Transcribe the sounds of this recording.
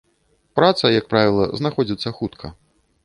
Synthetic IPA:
pɾat̪sɐjɐk̚pɾavʲilˠɐ̰znaxɔd͡zʲit̪sːɐxut̪kʰɐ

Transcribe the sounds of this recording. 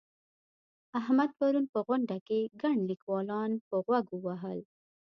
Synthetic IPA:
aɦmad̪̚paɾunpəɣʊɳɖakeɡaɳlikwɑlɑnpəɣwaɡəwaɦəl

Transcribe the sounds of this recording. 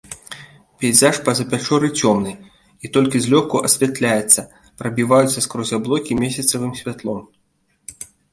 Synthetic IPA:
pʲɛjzaʂpɐzɐpʲat͡ʂɔɾɨt͡sʲɔmnɨ | it̪ɔlʲkʲizʲlʲɔkuʔɐsʲvʲat̪lʲajɛt̪sːɐ | pɾɐbʲivajut̪sːɐskɾɔzʲablˠɔkʲimʲɛsʲɐt̪sɐvɨmsʲvʲat̪lˠɔm

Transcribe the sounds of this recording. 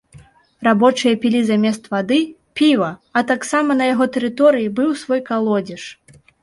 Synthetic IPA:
rabɔt͡ʂɨjɐpʲilʲizamʲɛst̪vad̪ɨ | pʲivɐɐt̪aksamɐnɐjaɣɔt̪ɛɾɨt̪ɔɾɨjibɨwsvɔjkalˠɔd͡zʲɛʂ

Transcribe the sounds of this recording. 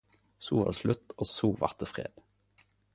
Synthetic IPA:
suːʋɑ̰ːʁslʉt̪oːsuːʋɑ̰ʁt̪əfʁḛːd̪̥

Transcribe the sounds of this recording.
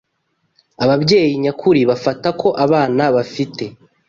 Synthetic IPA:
aβabɟe̞ːjiɲakʰuɾiβafatakʰo̞ʔaβaːnaβafite̞

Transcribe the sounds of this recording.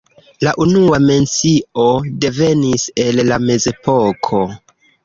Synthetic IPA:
laʔunuame̞nt͡siode̞ve̞nise̞lːame̞ze̞pʰo̞kʰo̞

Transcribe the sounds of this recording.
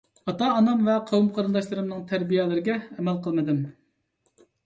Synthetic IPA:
ɑt̪ɑːnɑmvɛqʰɑwumqʰɑɾɨnd̪ɑʃlˠɨɾɨmnɨŋt̪ʰæɾbijɛlɪɾɪɡʲɛɛmɛlqʰəlˠmɨd̪ɪm

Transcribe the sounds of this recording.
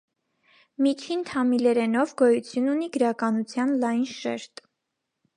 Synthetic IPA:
mit͡ʃʰint̪ʰɑmilɛɾɛnɔvɡɔjut͡sʰjununiɡəɾɑkɑnut͡sʰjɑnlɑjnʃɛ̰ɾt̪

